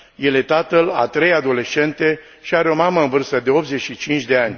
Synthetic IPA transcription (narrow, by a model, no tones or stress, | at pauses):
je̞le̞t̪at̪əla̰t̪ɾe̞jad̪o̞le̞ʃe̞nt̪e̞ | ʃiaɾeo̞maməɨnvɨrst̪əd̪e̞o̞p̚t̪ze̞t͡ʃit͡ʃint͡ʃd̪e̞anʲ